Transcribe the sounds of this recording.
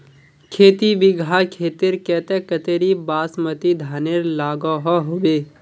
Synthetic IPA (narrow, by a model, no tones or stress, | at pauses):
kʰeːt̪iʋɪɡʱaːkʰeːt̪ɪɾkɛːt̪ɛkət̪eɾibaːsmət̪id̪ʱaːneɾlaːɡɔɦɔɦoːbeː